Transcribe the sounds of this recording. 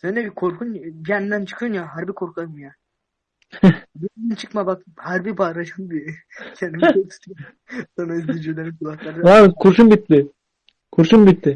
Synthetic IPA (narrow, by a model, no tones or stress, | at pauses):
sɛnd͡ʒebikʰoɾkʰunbijand̪ænt͡ʃʰɯ̥kʰɯjunjaɦaɾbikʰo̞ɾkʰaɾɯmja | bijand̪ɛnt͡ʃʰɯ̥kmabak̚ | haɾbibaːɾad͡ʒɯnbi | kʰɛnimkʰokt̪ | sanaizd̪id͡ʒelʲeɾinkulˠaxlˠaɾɯd̪alɯkʰuɾʃumbit̪ːɪ | kʰuɾʃumbit̪ːɪ